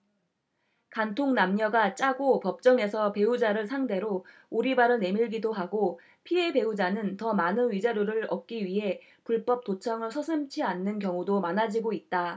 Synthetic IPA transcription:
kantʰoŋnamɲʌɡat͡ɕ͈aɡopʌp̚t͡ɕ͈ʌŋe̞sʰʌpe̞ud͡ʑaɾɯɭsʰaŋde̞ɾo | uɾibaɾɯne̞miɭɡidoɦaɡo | pʰie̞be̞ud͡ʑanɯntʌmanɯnɥid͡ʑaɾjoɾɯɭʌk̚k͈iɥiɦe̞ | puɭp͈ʌp̚t͈ot͡ɕʰaŋɯɭsʰʌsʰɯmt͡ɕʰianːɯnkjʌŋudomanad͡ʑiɡoit̚t͈a

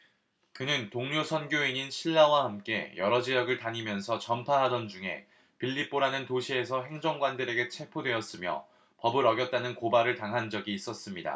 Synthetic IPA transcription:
kɯnɯntoŋɲosʰʌnɡjoiɲinɕʰiɭːawahamk͈e̞jʌɾʌd͡ʑejʌɡɯɭtaɲimjʌnsʰʌt͡ɕʌmpʰaɦadʌnd͡ʑuŋe̞̰ | piʎːip͈oɾanɯntoɕʰie̞sʰʌɦe̞ŋd͡ʑʌŋɡwandɯɾe̞ɡe̞t͡ɕʰe̞pʰodwe̞ʌs͈ɯmjʌ̰ | pʌbɯɾʌɡjʌt̚t͈anɯnkobaɾɯɭtaŋɦand͡ʑʌɡiːs͈ʌs͈ɯmɲida̰

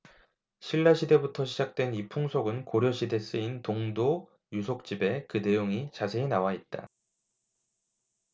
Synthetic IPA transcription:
ɕʰiɭːaɕʰide̞butʰʌɕʰid͡ʑak̚t͈we̞nipʰuŋsʰoɡɯnkoɾjʌɕʰide̞s͈ɯintoŋdo | jusʰok̚t͡ɕ͈ibe̞kɯne̞joŋit͡ɕasʰe̞ːnawait̚t͈a̰

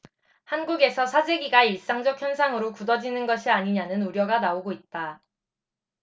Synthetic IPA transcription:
hanɡuɡe̞sʰʌsʰad͡ʑe̞ɡiɡaiɭs͈aŋd͡ʑʌk̚ʰjʌnsʰaŋɯɾokudʌd͡ʑinɯnɡʌɕʰiaɲiɲanɯnuɾjʌɡanaoɡoit̚t͈a

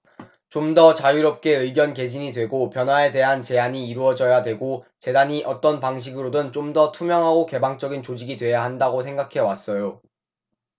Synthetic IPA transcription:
t͡ɕomdʌt͡ɕajuɾʌp̚k͈e̞ɯiɡjʌnke̞d͡ʑiɲidwe̞ɡopjʌnɦwae̞de̞ɦant͡ɕe̞aɲiːɾuʌd͡ʑʌjadwe̞ɡot͡ɕe̞daɲiʔʌt͈ʌnpaŋɕ̬ʰiɡɯɾodɯnt͡ɕomdʌtʰumjʌŋɦaɡoke̞baŋt͡ɕ͈ʌɡint͡ɕod͡ʑiɡidwe̞jaɦandaɡosʰe̞ŋɡakʰe̞was͈ʌjo

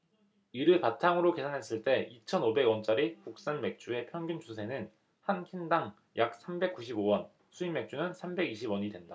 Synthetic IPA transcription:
iɾɯpatʰaŋɯɾoke̞sʰanɦe̞s͈ɯɭt͈e̞it͡ɕʰʌnobe̞ɡwʌnt͡ɕ͈aɾikuk̚s͈anme̞k̚t͡ɕ͈ue̞pʰjʌŋɡunt͡ɕusʰe̞nɯn | hankʰindaŋ | jak̚s͈ʰambe̞k͈̚uɕʰibowʌn | sʰuimːe̞k̚t͡ɕ͈unɯnsʰambe̞ɡiɕʰibwʌɲidwe̞nda

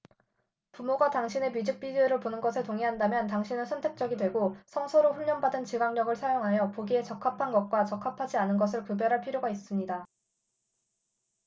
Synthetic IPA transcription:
pumoɡataŋɕʰine̞mid͡ʑik̚p͈id͡ʑueɾɯɭponɯnɡʌsʰɯɭtoŋiɦandamjʌntaŋɕʰinɯnsʰʌntʰe̞k̚t͡ɕ͈ʌɡidwe̞ɡosʰʌŋsʰoɾoɸuʎːʌnbadɯnt͡ɕiɡaŋɲʌɡɯɭsʰajoŋɦajʌpoɡie̞t͡ɕʌkʰapʰanɡʌk̚k͈wat͡ɕʌkʰːapʰad͡ʑianɯnɡʌs̬ʰɯɭkɯbjʌɾɦaɭpʰiɾjoɡais͈ɯmɲida

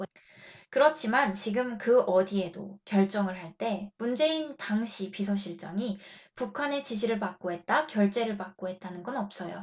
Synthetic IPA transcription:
kɯɾʌt͡ɕʰimant͡ɕiɡɯmkɯʔʌdie̞do̰kjʌɭt͡ɕ͈ʌŋɯɭɦaɭt͈e̞mund͡ʑe̞intaŋɕʰipisʰʌɕʰiɭt͡ɕ͈ʌŋipukʰane̞t͡ɕiɕʰiɾɯɭpak̚k͈oɦe̞t̚t͈akjʌɭt͡ɕ͈e̞ɾɯɭpak̚k͈oɦe̞t̚t͈anɯnɡʌnʌp̚s͈ʌjo̰

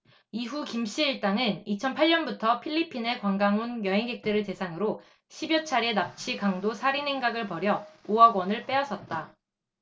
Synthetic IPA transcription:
iɦukimɕ͈ʰiːɭt͈aŋɯnit͡ɕʰʌnpʰaɭɲʌnbutʰʌpʰiʎːipʰine̞kwaŋɡaŋɦonjʌɦiŋɡe̞k̚t͈ɯɾɯɭte̞sʰaŋɯɾo | ɕʰibjʌt͡ɕʰaɾenap̚t͡ɕʰikaŋdosʰaɾine̞ŋɡaɡɯɭpʌɾjʌoʌɡwʌnɯɭp͈e̞ʌs͈ʰʌt̚t͈a

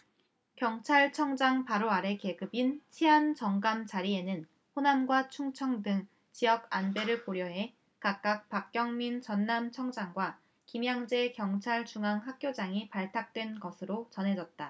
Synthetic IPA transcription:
kjʌŋt͡ɕʰaɭt͡ɕʰʌŋd͡ʑaŋpaɾoaɾe̞ke̞ɡɯbint͡ɕʰiant͡ɕʌŋɡamt͡ɕaɾie̞nɯn | ɸonamɡwat͡ɕʰuŋt͡ɕʰʌŋdɯŋ | t͡ɕijʌɡanbe̞ɾɯɭkoɾjʌɦe̞ | kak̚k͈ak̚pak̚k͈jʌŋmint͡ɕʌnːamt͡ɕʰʌŋd͡ʑaŋɡwa | kimjaŋd͡ʑe̞kjʌŋt͡ɕʰaɭt͡ɕuŋaŋɦak̚k͈jod͡ʑaŋipaɭtʰak̚t͈we̞nɡʌsʰɯɾot͡ɕʌnɦe̞d͡ʑʌt̚t͈a

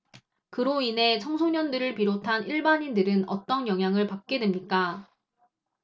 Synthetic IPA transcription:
kɯɾoine̞t͡ɕʰʌŋsʰoɲʌndɯɾɯɭpiɾotʰaniɭbaɲindɯɾɯnʌ̰t͈ʌnjʌŋɦjaŋɯɭpak̚k͈e̞dwe̞mɲik͈a

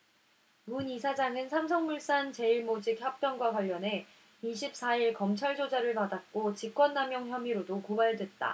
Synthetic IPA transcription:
munisʰad͡ʑaŋɯnsʰams̬ʰʌŋmuɭs͈ant͡ɕe̞iɭmod͡ʑikçjʌp̚p͈jʌŋɡwakwaʎːʌne̞ | iɕʰip̚s͈aiɭkʌmt͡ɕʰaɭd͡ʑod͡ʑaɾɯɭpadat̚k͈ot͡ɕik͈wʌnːamjʌŋçjʌmiɾodokobaɭdwe̞t̚t͈a̰

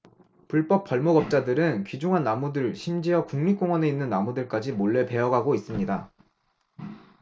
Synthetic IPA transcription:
puɭp͈ʌp̚p͈ːʌɭmoɡʌp̚t͡ɕ͈adɯɾɯnkɥid͡ʑuŋɦanːamudɯɭɕʰimd͡ʑiʌkuŋmik͈oŋwʌne̞inːɯnːamudɯɭk͈ad͡ʑimoɭːe̞pe̞ʌɡaɡois͈ɯmɲida

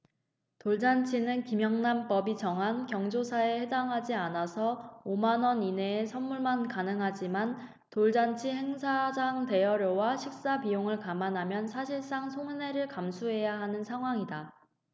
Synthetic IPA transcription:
toɭd͡ʑant͡ɕʰinɯnkimjʌŋnamp͈ʌbit͡ɕʌŋɦankjʌŋd͡ʑosʰae̞he̞daŋɦad͡ʑianasʰʌomanʌnine̞ːsʰʌnmuɭmankanɯŋɦad͡ʑiman | toɭd͡ʑant͡ɕʰihe̞ŋsʰad͡ʑaŋte̞jʌɾjowaɕʰik̚s͈apijoŋɯɭkamanamjʌnsʰaɕʰiɭs͈aŋsʰoŋne̞ɾɯɭkamsʰuɦe̞jaɦanɯnsʰaŋɦwaŋida

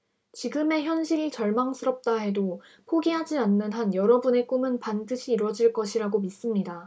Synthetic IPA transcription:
t͡ɕiɡɯme̞çjʌnɕʰiɾiɭt͡ɕʌɭmaŋsʰɯɾʌp̚t͈aɦe̞do | pʰoɡiɦad͡ʑianːɯnɦanjʌɾʌbune̞k͈umɯnpandɯɕʰiːɾwʌd͡ʑiɭk͈ʌɕʰiɾaɡomis͈ɯmɲida

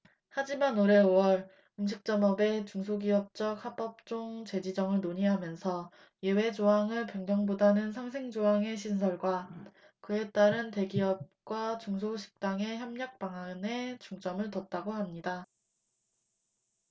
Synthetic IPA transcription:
had͡ʑimanoɾe̞owʌɾ | umɕʰik̚t͡ɕ͈ʌmʌbe̞t͡ɕuŋs̬ʰoɡiʌp̚t͡ɕ͈ʌk̚hap͈ʌp̚t͡ɕ͈oŋt͡ɕe̞d͡ʑid͡ʑʌŋɯɭnoɲiɦamjʌnsʰʌ | je̞we̞d͡ʑoɦaŋɯɭpjʌŋɲjʌŋbodanɯnsʰaŋsʰeŋd͡ʑoaŋe̞ɕʰins̬ʰʌɭɡwa | kɯe̞t͈aɾɯnte̞ɡiʌp̚k͈wat͡ɕuŋs̬ʰoɕʰi̥k̚t͈aŋe̞çjʌmɲʌk̚p͈aŋane̞t͡ɕuŋt͡ɕ͈ʌmɯɭtʌt̚t͈aɡoɦamɲida

